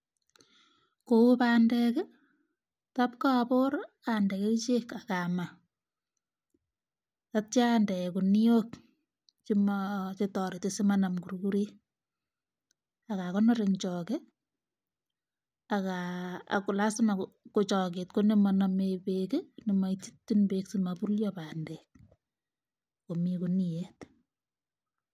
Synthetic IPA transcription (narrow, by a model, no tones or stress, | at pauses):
koupaːndɛkɛ | tap̚kapʊɾ | andɛket͡ʃekakama | tap̚t͡ʃandɛkuniok | t͡ʃimt͡ʃetɔɾitesimanamkuɾukuɾi | akakɔnɔɾeŋt͡ʃɔke | aka̰kulasɪmakot͡ʃɔk̬et̚konemɔnɔmepekenimaititːinbeksimapuljɔpandɛk̚ | komikuniet